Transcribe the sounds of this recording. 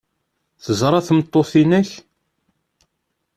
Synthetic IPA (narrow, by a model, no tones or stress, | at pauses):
θəzɾˤɑθmət̪ˤːoθinæç